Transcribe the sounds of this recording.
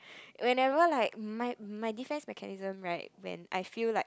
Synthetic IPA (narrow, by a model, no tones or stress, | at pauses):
wɛ̃nɛvəlaɪk̚maɪmaɪdifɛ̃nsmɛkʰanizə̃mɹaɪt̚wɛ̰̃na̰ɪfillaɪk̚